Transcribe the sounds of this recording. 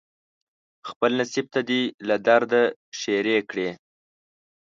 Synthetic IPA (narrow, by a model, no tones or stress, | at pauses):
xpəlnasib̚t̪ad̪ilad̪aɾd̪aʃeɾekɽe